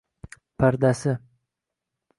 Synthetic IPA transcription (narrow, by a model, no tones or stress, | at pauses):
pʰaɾd̪asɪ